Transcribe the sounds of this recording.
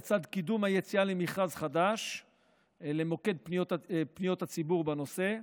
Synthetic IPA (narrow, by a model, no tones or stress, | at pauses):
t͡sad̪kid̪umhajet͡sialemiχazχad̪aʃ | lemo̞ke̞d̪̚pnijot̪pnijo̞t̪hat͡sibuʁbano̞se̞